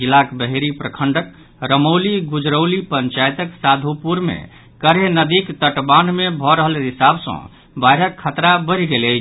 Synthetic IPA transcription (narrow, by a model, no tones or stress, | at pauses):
d͡ʒilakbəɦeɾipɾəkʰəɳɖək | ɾəmoliɡud͡ʒɾəwlipəɲt͡ʃajt̪əksad̪ʱupuɾmḛ | kəɾenəd̪ikt̪əʈbanmebʱɔɾəɦəlɦisabsə̰̃ | bajɾəkʰːət̪ɾabəɾɡeləɪt͡ʃʰ